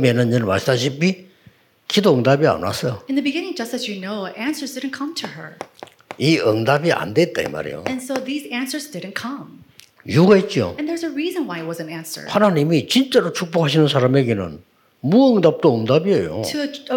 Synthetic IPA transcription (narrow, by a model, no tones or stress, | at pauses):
menɯnjʌnma̰sisaɕ̬ʰipi | kʰidoːŋdabia̰na̰s͈ʌjoɨ̃nðɨbɨɡɪ̃nɪ̃ŋd͡ʒʌstɨzjɨnoʊʔæ̃nsə˞zdɪdⁿn̩kʰʌ̃mtʰɨə̰˞ | iʌŋdabiʔa̰ndet̚t͈aḭma̰ɾḛjo̰ɨ̃nsoʊðizæ̃nsə˞zdɪdⁿn̩kʰʌ̃m | juɡaet̚t͡ɕ͈io̰ɨ̃nðə˞zɨɹizɨ̃nwaɪɨt̚wʌzɨ̃næ̃nsə̰˞hanaɲimit͡ɕint͡ɕ͈aɾot͡ɕʰuk̚p͈ohaɕ̬ʰinɯns̬ʰaɾameɡe̞nɯ̰n | muʌŋdap̚t͈oːŋdabiejo̰tʰɨ